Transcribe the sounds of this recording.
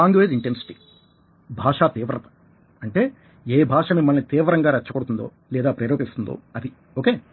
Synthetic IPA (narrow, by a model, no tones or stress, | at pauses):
aːŋɡjoed̪iɳʈensi̥ʈi̥ | bʱaːʂaːt̪iːʋɾɐt̪ɐ̥ | ɐɳʈe̞ː | eːbʱaːʂɐmimːɐlnit̪iːʋɾɐŋɡaːɾɐt͡ʃːɐkoɽut̪und̪o̰ː | lɛːd̪aːpɾɐːɾoːɡist̪und̪o̰ːɐd̪i | oːke̞ː